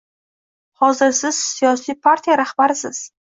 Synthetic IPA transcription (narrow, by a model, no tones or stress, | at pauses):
hɒzɪɾsɪz̥sijɒsijpʰaɾt̪ʰijaɾahbaɾɪsɪz̥